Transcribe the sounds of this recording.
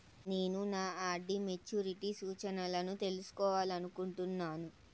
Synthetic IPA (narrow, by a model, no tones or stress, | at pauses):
ne̞ːnunaːaːɖːime̞t͡ʃːuːɾiʈisuːt͡ʃɐnɐlɐnut̪e̞lusu̥kɔːʋaːliɐnukuɳʈunːaːnu